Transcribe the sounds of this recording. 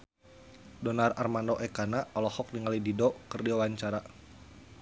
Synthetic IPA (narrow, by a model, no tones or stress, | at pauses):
dɔnararmandoʔɛkanaɔlɔhɔk̚niŋalididɔkərdiwawaɲt͡ʃaɾa